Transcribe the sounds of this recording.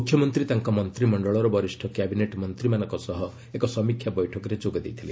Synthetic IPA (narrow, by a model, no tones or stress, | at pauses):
mukʰːjɔmɔnt̪ɾit̪aŋkɔmɔnt̪ɾimɔɳɖɔɭɔɾɔbɔɾisʈʰɔkjabineʈmɔnt̪ɾimanɔŋkɔsɔɦɔ | ekɔsɔmikʰjabɔjʈʰɔkɔɾed͡ʒoɡɔd̪ejt̪ʰili